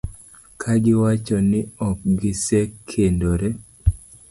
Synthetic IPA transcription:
kʰaɡɪwat͡ʃɔnɪɔk̚ɡɪsekʰendoɾe

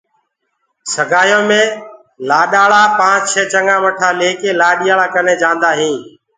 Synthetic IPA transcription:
səɡʱaːjõːmẽː | laːɗaːɭaːpãːt͡ʃt͡ʃʰeːt͡ʃəŋɡãːʋəʈʰaːleːkeːlaːɗijaːɭaːkəneːd͡ʒãːnd̪aːɦĩː

